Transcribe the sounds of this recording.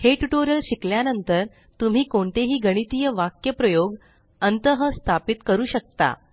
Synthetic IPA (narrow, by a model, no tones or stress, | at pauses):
heʈuʈoɾjəlɕikljanənt̪əɾ | t̪um̤iːkoɳt̪eɦiːɡəɽ̃it̪ijəʋakjəpɾəjoɡ | ənt̪əɦəst̪ʰapit̪kəɾuːɕək̚t̪a̰